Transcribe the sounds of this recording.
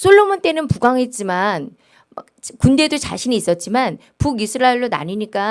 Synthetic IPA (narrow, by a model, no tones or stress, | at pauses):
sʰoɭːomont͈e̞nɯnpuɡaŋɦet̚t͡ɕ͈iman | ma̰k̚kunde̞dot͡ɕa̰ɕʰiniːs͈ʌt̚t͡ɕ͈iman | puɡisʰɯɾaeɭdona̰ɲiɲik͈a